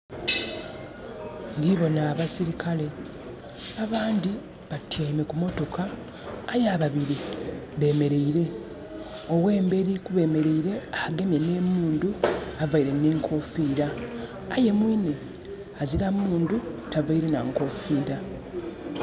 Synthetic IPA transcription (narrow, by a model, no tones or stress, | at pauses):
ŋɡiβo̞naːβasiɾikʰale̞ | aβaːndi | βatʰjeme̞kumo̞to̞kaː | jaβaβiɾiβe̞ːme̞ɾe̞iɾe̞ | owe̞ːmbe̞ːɾikuβe̞ːme̞ɾe̞iɾe̞ahaɡe̞mjene̞muːnduavaiɾe̞ne̞ːŋkʰo̞fiːɾaː | je̞mwiːne | aziɾamuːndutavaiɾe̞naŋko̞fiːɾa